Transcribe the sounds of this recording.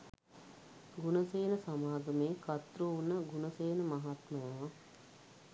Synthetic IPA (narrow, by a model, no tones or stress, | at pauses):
ɡunəseːnəsamaːɡəmeːkat̪ruunəɡunəseːnəmaɦat̪məjaʋa